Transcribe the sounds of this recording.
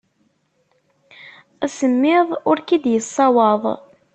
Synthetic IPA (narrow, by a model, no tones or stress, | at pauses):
æsəmːɪðˤʊɾkid̪jəsˤːɑwɑðˤ